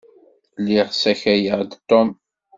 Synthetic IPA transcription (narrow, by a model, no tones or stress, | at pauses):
liʁsæçæjəʁd̪t̪ːɔm